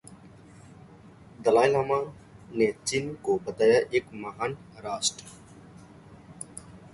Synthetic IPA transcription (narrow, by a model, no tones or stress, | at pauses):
d̪əlaːjlɦama | net͡ʃinkobət̪aːjaʔeːkməɦaːn | ɾaːsʈ